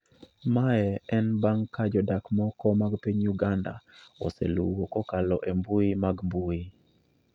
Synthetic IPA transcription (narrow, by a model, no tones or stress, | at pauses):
maɛɛnbaŋkad͡ʒɔdakmɔkɔmaɡpiɲuɡanda̰ɔ̰sḛlṵwokɔkalɔʔembuimaɡmbui